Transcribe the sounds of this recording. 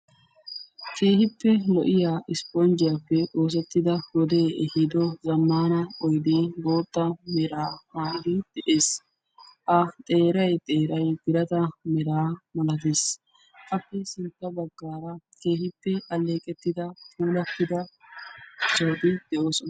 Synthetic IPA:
kʰe̞ːhɪpːɛlɔʔɪjaːʔɪspond͡ʒɪjapːɛʔo̞ːs̬ɛt̪ːɪd̪ɐɡɔd̪eːɛhɪd̪ɔzɐmːaːnɐɔjd̪eːɡo̞ːt̪ʼːɐmɛɾaːmaːʔɪd̪ɪd̪̥ɛʔe̞ːs | ʔɐt̪ʼe̞ːɾɐjt̪ʼe̞ːɾɐjɡɪɾɐt̪ɐmɛɾaːmɐlɐt̪eːs | ʔɐpːɛsɪnt̪ːɐbɐɡːaːɾɐke̞ːhɪpːɛʔɐlːe̞ːkʼɛt̪ːɪd̪ɐpʰuːlɐt̪ːɪd̪ɐ | soːd̪ɪd̪̥ɛʔoːsɔnɐ

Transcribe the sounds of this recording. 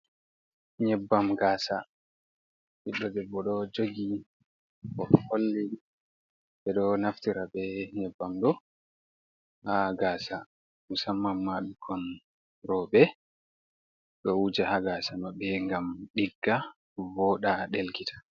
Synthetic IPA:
ɲɛbːamɡaːsa | ɓiɗːɔdɛbɔɗɔd͡ʒoɡi | kɔholːi | ɓɛɗɔnaftiɾabɛɲɛbːamɗɔ | haɡaːsa | musamːamːaɗukʰɔn | ɾɔbɛ | ɗɔwud͡ʒahaɡasamabɛŋɡamɗiɡːa | vɔɗaɗelkitʰḁ

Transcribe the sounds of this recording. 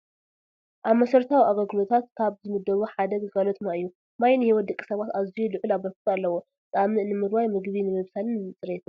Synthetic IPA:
ʔaβmɐsɐɾt̪ʰawiʔaɡɐɡɨlo̞t̪ʰat̪̚kʰaβzɨmɨd̪ːɐβuħad̪ɐɡɡalot̪naɨjːu | majnhiwɔt̪d̪ɐkʼːi̥sɐβat̪azijulɨʕɨlaβbɐft̪ʼalːɐwo | zʼamɨnɨmɨɾwajmɨɡβinɨmɨβsanɨnɨt͡sʼɨɾet̪ʰu

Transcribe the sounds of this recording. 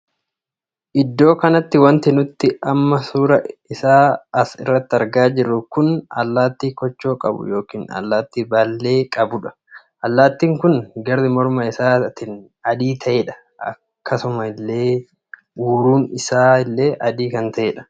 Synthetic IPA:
ʔɪd̪ːo̞ːkɐnɐt̪ːɪwɐnt̪ɪnʊt̪ːɪɐmːɐsuːɾɐɪsaːɐsɪ̰rːɐt̪ːɪɐɾɡaːd͡ʒɪɾːʊkʊnɐ̰lːaːt̪ːiːkɔt͡ʃːo̞ːkʼɐ̰bʊ̰jo̞ːkiːnɐ̰lːaːt̪ːiːbalːe̞ːkʼɐbʊᶑɐ̥ | ʔɐlːaːt̪ːiːŋkʊnɡɐɾːɪmɔɾmɐɪsaːt̪ɪn | ɐd̪iːt̪ʰɐʔeːᶑɐ̥ | ɐ̰ | kːɐsʊmɐɪlːe̞ː | uːɾuːnɪsaːɪlːe̞ːʔɐd̪iːkɐnt̪ɐʔeːᶑɐ̥

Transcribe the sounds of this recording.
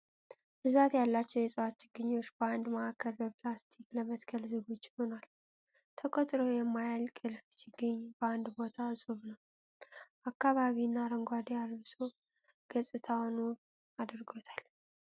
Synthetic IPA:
b̥ɨzat̪jalːat͡ʃːɛwjɛsʼəwat͡ʃːɪɡɨɲːo̞t͡ʃːbəand̪maʔakʰːəɾbəplast̪ʰikləmət̪kʰəlzɨɡot͡ʃːhonal | t̪ʰəkʼot̪ʼɾo̞jɛmːajalkʼɨlfsɪɡəɲːbəand̪bo̞t̪ʰasʼuβnəw | ʔakːaβaβinːaɾəŋɡʷad̪ialβɨso̞ | ɡ̥əsʼɨt̪ʰawnu | ad̪ɾɡo̞t̪ʰal

